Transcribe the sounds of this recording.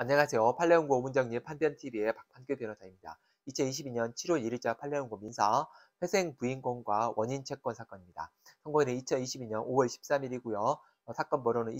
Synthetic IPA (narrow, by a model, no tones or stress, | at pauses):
aɲːaŋasʰe̞jopʰaɭːeonɡomund͡ʑʌŋɲipʰanbjʌntʰibie̞pak̚pʰank͈jopjʌnod͡ʑaimɲida̰ | it͡ɕʰʌniɕʰibiɲʌnt͡ɕʰiɾwʌɭiɭt͡ɕ͈apʰaɭːe̞uŋɡominsʰa | ɸwe̞sʰe̞ŋpuinɡoŋɡwawʌɲint͡ɕʰe̞k͈ʌnsʰak͈ʌɲimɲida̰ | sʰʌŋɡoŋinɯit͡ɕʰʌniɕʰibiɲʌnowʌɭɕʰi̥p̚s͈amiɾiɡujʌ | sʰak͈ʌnbʌɾonɯn